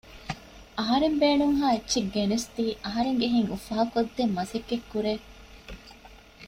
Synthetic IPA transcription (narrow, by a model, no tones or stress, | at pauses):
ɐɦɐɾembeːnuŋɦaːetːʃeɡːenest̪iːʔɐɦɐɾeŋɡeɦiŋufaːkod̪ːemːɐsekːekːuɾeː